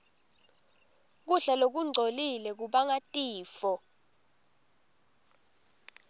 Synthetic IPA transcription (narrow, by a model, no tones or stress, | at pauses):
k̬uɬalok̬uŋ͡ǀʱolilɛk̬uɓaŋatʼiːfɔ